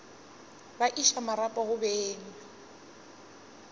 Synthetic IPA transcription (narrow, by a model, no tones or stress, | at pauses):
baʔiʃamaɾapʼahʊbɛːŋa